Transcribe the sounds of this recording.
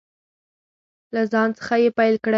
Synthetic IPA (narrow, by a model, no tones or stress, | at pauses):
lazɑnt͡sə̥xajepajlkɽa